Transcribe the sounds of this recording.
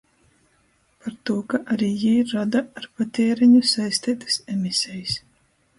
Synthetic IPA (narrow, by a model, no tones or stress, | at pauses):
paɾt̪uɔkaʔaɾiːjiɾːad̪aːɾpat̪ʲeːɾɛɲusajsʲt̪iːt̪ɨ̥sɛmʲisʲɛjis